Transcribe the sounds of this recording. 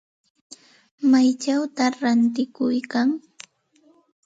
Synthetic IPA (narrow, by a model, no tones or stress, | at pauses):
majt͡ʃawt̪aɾant̪ɪkʊjkaŋ